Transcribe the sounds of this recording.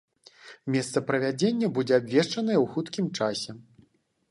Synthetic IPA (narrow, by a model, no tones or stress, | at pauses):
mʲɛst̪sɐpɾɐvʲad͡zʲenʲːɐbud͡zʲɛabʲvʲɛʂt͡ʂɐnɐjɐwxut̪kʲimt͡ʂasʲɛ